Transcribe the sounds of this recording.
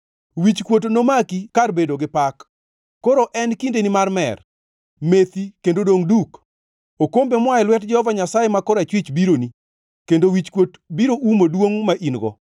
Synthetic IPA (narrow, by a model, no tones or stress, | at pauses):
wit͡ʃkwot̬nomakikarbedoɡɪpakː | oɾoʔɛnkindenimarmɛ̰r | met̪ikendodoŋduk | okombemwaɛlwɛtd͡ʒɛhɔvaɲasajemakɔɾat͡ʃwɪt͡ʃbiɾoni | kendowit͡ʃkwot | biɾoʔumodwoŋmaʔinɡɔ̰